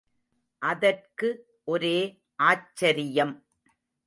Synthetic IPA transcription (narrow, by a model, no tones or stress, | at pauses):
ʔɐðɐrkɯ | ʔɔɾeː | ʔaːt͡ʃːɐɾɪjɐm